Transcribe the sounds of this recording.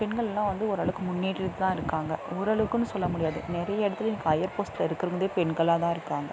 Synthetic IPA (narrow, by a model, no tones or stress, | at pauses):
pɛɳɡɐɭɛlːãːʋɐnd̪ɯɔɾɯɐɭɐʋɯkːɯmʊnːiːʈːɪɾðɯt̪ãːɪɾɯkːaːŋɡɐɔɾɯɐɭɐʋɯkːɯnːɯsɔlːɐmʊɽɪjaːðɯ̰nɪɾɐjɐɛɽɐt̪ːɯlniːkːɐɐjɐɾpoːsʈɪlɐɪɾɯkːɪɾɯŋɡɐðeːpɛɳɡɐɭaːt̪ãːɪɾɯkːaːŋɡɐ